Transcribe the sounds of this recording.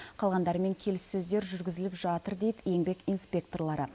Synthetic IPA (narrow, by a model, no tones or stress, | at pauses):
qʰɑlˠʁɑnd̪ɑɾəme̞ŋkʲʰe̞lɪsːɵzd̪e̞ɾʒʏɾɡʲɪzɪlɪpʒɑt̪əɾd̪e̞jd̪ɪje̞ŋbe̞kijnspʲe̞k̚t̪o̞rlˠɑɾə